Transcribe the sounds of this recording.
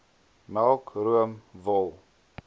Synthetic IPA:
mælˠkruəmvɔlˠ

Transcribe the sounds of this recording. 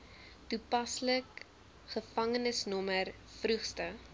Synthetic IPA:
tupɐslək | χəfɐŋənəsnɔmər | frʉχstə

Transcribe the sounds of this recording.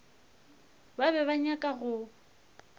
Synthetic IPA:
baβɛβaɲakʼaɣʊ

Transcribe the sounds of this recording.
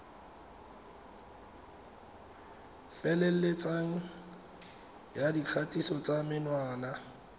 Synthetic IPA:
fɛlel̩let͡sʼaŋ̩ | jadikʰatʼisɔt͡sʼamɪnwaːna

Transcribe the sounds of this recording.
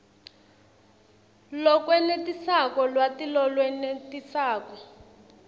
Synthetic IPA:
lɔkwɛnetisakɔlwatilɔlwɛnetisaːkɔ

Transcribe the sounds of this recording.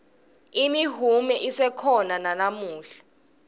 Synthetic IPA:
imiɦumɛʔisɛkʰɔnananamuːɬḁ

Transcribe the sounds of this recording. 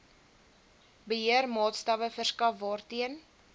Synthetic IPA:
bəɦiərmɑːtstɐvəfərskɐfbɑːrtiən

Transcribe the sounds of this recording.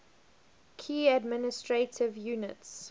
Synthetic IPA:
kʰiːədmɪnɪstɹetʰɪvjuːnɪts

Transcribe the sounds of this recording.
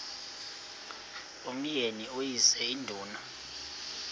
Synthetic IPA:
om̩jeniojisɛindʱuːna

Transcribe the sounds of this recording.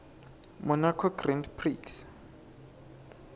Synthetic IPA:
mʊnakʰɔɡrɛndpʰriks

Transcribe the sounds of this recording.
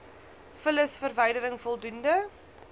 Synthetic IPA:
fələsfərvəjdəɾəŋfɔlˠdundə

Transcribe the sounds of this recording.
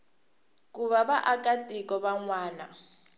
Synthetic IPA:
kʼuβaβaʔakʼatʼik̬ʼɔβaŋwaːna

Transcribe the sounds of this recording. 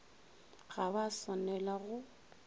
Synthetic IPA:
ɣaβasanɛlaɣʊ

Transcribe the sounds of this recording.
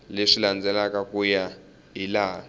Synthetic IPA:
leʂiland͡zɛlakakuja | ilaː

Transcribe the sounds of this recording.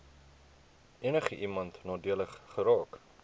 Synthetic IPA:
ʔiənəχəʔimɐntnɑːdiələχːəɾɑːk

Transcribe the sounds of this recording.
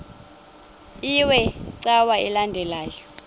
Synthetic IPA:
iwɛǀawaɛlandʱɛlaːjɔ

